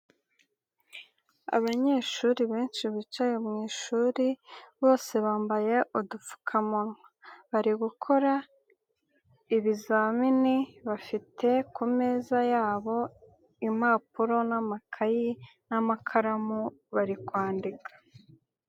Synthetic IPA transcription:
a̰βaɲe̞ːʃuɾiβe̞ːnʃiβit͡ʃajomŋiːʃuɾiβo̞ːse̞βaːmbaje̞ʔudufu̥kʰamonŋaβaɾiɡukʰo̞ɾa | iβizaminiβafitʰe̞kumeːzajaːβo̞ | im̥aːpuɾo̞namakʰaji | namakʰaɾamuβaɾikwaːndikʰḁ

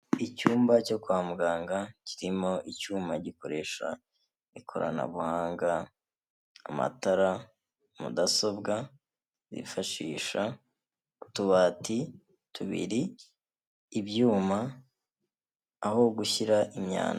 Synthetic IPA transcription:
icuːmbaco̞kwaːmuɡaːŋɡaciɾimo̞ʔicuːmaɟiko̞ɾe̞ʃa̰ | ikʰo̞ɾa̰na̰βuhaːŋɡaː | ma̰taɾa | mṵdaso̞bɡa | zḭfaʃiːʃa | utuβaːti | tuβḭɾiː | bjuːma | ho̞ɡuçiɾaʔimɲa̰ːna

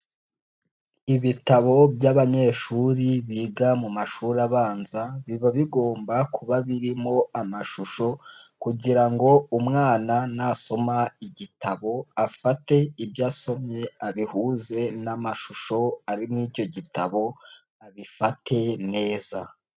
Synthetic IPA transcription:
iβitaβo̞bjaβaɲe̞ːʃuːɾiβiːɡamumaʃuɾaβaːnzaβiβaβiɡo̞ːmbakʰuβaβiɾimo̞amaʃuʃo̞kuɟiɾaŋɡo̞umŋaːnanaːso̞maiɟitaβo̞afate̞ibjaːso̞mɲe̞aβihuːze̞namaʃuʃo̞aɾimniːɟo̞ɟitʰaβo̞ | aβifatʰe̞ne̞ːza

